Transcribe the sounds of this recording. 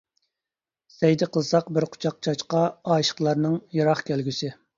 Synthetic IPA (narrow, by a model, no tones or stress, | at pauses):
sɛjd̪ɪqʰəzsɑqbɪɾqʰʊ̥t͡ʃʰɑq̚t͡ʃʰɑʃqɑɑːʃə̥qlˠɑɾnɨŋjɑɾɑχkʲʰælɡʲysɪ